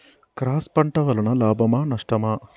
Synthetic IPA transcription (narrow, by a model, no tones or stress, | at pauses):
kɾaːspɐɳʈɐʋɐlɐɳɐlaːbɐmaːnɐʂʈɐmaː